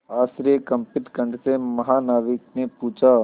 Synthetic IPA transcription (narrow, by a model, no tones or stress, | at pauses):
aːsɾijəkɐ̃mpɪʈkə̃ɳɖsemɐɦaːnaːʋɪknepuːt͡ʃʰaː